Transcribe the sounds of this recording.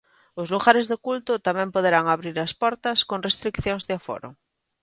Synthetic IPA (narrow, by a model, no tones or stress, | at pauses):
ozluɣaɾezðokult̪ʊt̪amɛ̃mpoðeɾaŋaβɾiɾaspɔɾt̪askoŋrest̪ɾikθjoŋzðɪafo̰ɾʊ̰